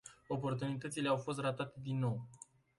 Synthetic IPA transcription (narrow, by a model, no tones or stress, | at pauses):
o̞po̞rt̪unit̪ət̪sile̞awfo̞s̬t̪rat̪at̪e̞d̪inːo̞w